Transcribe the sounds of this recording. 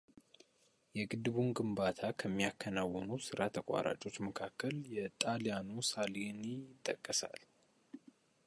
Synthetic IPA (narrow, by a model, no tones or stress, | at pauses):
jɛɡɨd̪ɨβunɡɨmbat̪ʰakʰəmːijakʰːənawːɔnusɨɾʔat̪ʰəkʷʼa̰ɾʔa̰t͡ʃʼo̞t͡ʃːməkʰakʰːəljɛt̪ʼalijanusalinjɪt̪ʼːəkʼːəsa̰l